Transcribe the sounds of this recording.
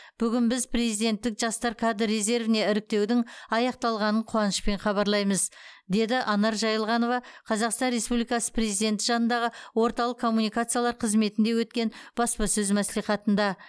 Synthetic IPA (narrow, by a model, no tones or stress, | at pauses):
b̥ʏɡʲɪnbɪzpʰre̞zijd̪e̞nt̪ːɪkʒɑst̪ɑɾkʰad̪ːe̞ze̞ɾvɪne̞ɪɾɪk̚t̪e̞wd̪ɪŋɑjɑq̚t̪ɑlˠʁɑnəɴqʰʊwɑnəʃpe̞ɴχɑβɑɾlˠɑjməzd̪e̞d̪ɪʔɑnɑɾʒɑjəlˠʁɑno̞vɑqʰɑzɑqst̪ɑnɾe̞spublijkɑsə̥pʰre̞zid̪e̞nt̪ːɪ̥ʒɑnənd̪ɑʁəwo̞ɾt̪ɑlˠəqkʰːo̞mːunijkat̪sɨjalˠɑɾqʰəzme̞t̪ɪnd̪e̞wɵt̪̚kʲe̞nb̥ɑspɑsɵzmæsliχɑt̪ənd̪ɑ